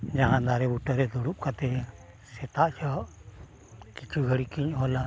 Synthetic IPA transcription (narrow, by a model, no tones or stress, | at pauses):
ɲaɦãd̪aɾɛbuʈaɾɛd̪uɽup̚kat̪ɛ | sɛt̪aʔsɔʔ | kit͡ʃʰuɡʱəɽikiɲɦɔla